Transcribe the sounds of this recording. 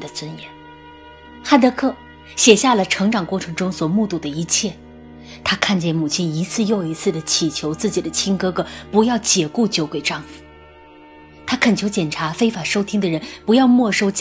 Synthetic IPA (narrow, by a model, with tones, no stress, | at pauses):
d̪ə˩t͡swə˥njɛ˧˥n | xa˥nt̪ɤ˧˥kʰɤ˥˩ | ɕjɛ˨˩ɕja˥˩lə˩ʈ͡ʂʰɤ˧˥ŋʈ͡ʂɑ˨˩ŋkwɔ˥˩ʈ͡ʂʰɤ˧˥ŋʈ͡ʂʊ˥ŋswɔ˨˩mu˥˧t̪u˨˩d̪ə˦i˧˥t͡ɕʰjɛ˥˩ | t̪ʰa˥kʰa˥˧nt͡ɕjɛ˥˩nmu˨˩t͡ɕʰi˥ni˧˥t͡sʰɹ̩˥˧jo˥˩ʊi˧˥t͡sʰɹ̩˥˩d̪ə˩t͡ɕʰi˨˩t͡ɕʰjo˧˥ʊt͡sɹ̩˥˩t͡ɕi˨˩d̪ə˦t͡ɕʰi˥nŋkɤ˥kɤ˧˥pu˧˥jɑ˥˩ʊt͡ɕjɛ˨˧˩ku˥˩t͡ɕjo˧˥ʊkwe˨˩ɪʈ͡ʂɑ˥˩ŋfu̥˨˩˦ | t̪ʰa˥kʰə˨˩nt͡ɕʰjo˧˥ʊt͡ɕjɛ˨˩nʈ͡ʂʰa˧˥fe˥ɪfa˨˩ʂo˥ʊt̪ʰi˥ŋd̪ə˨ɻə˧˥npu˧˥jɑ˥˧ʊmwɔ˥˧ʂo˥ʊt͡ɕ